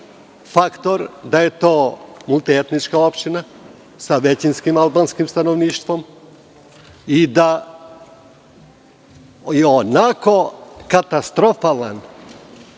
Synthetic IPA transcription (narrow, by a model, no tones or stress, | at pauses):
fakt̪o̞ɾd̪ajet̪oːmulˠt̪iet̪nit͡ʃkao̞pʃt̪ina | saʋet͡ɕinskimalbanskimst̪anoʋniːʃt̪ʋom | id̪a | jeonakokat̪ast̪ɾofala̰n